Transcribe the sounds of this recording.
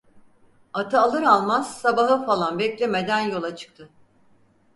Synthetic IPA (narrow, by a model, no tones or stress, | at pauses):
at̪ʰɯalˠɯɾalˠmaz̥sabaɦɯfalˠanbɛclʲeme̞d̪ænjo̞lˠat͡ʃʰɯ̥k̚t̪ʰɯ